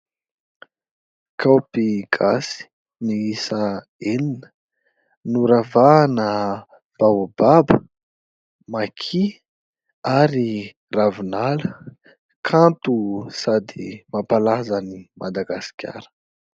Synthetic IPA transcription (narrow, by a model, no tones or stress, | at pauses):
kawpiɡ̥asi̥ | niisa | eninə̥ | nuɾavaːnə | b̥awbabə | makʰi | aɾi | ravinalə | kʰant̪usad̪imapalazanimʔad̪aɡasi̥kʲa̰ɾə̥